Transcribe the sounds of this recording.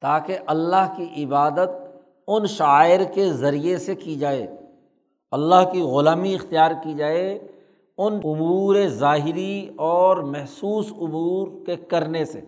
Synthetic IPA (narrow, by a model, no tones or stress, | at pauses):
t̪aːkeʔɐlːaɦkiʔɪbaːd̪ət̪̚ | ʊnʃaːɪɾkezɐɾijesekid͡ʒaːeː | ɐlːaɦkiɣʊlaːmiɪxt̪ijaːɾkid͡ʒaːe | ʊnʊmuːɾezaːɦɪɾiɔːɾmɛɦsuːsʊmuːɾkekɐɾnesḛ